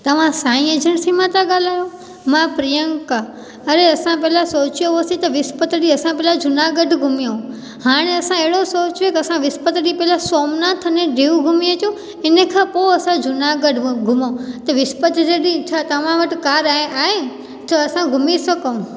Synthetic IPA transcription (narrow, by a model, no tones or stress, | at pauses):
t̪ɐʋ̤ãsaːĩed͡ʒʱəɳ̃sĩmãt̪aɠaːl̤aːjo | mãpɾijə̃ŋka | ɐɾeɐsãpɐɦlasoːt͡ʃjoosĩt̪ɐʋɪspət̪ɗiɐsãpɛːlad͡ʒʊnaɡəɖʱɡʱʊmijõ | haːɽ̃eɐsãeɦɪɽosoːt͡ʃekɐsãʋɪspət̪ɗipɛɦlasoːmnat̪ʰɐnẽɖiːʋɡʱʊmiet͡ʃũ | ɪnə̃kʰãːpoɐsãd͡ʒʊnaɡəɖʱɡʱʊmõt̪ɐʋɪspət̪d͡ʒeɗit͡ʃʰat̪ɐʋ̤ãʋɐʈɪkaːɾaẽaːɦẽ | t̪ɐɐsãɡʱʊmisɐkəũ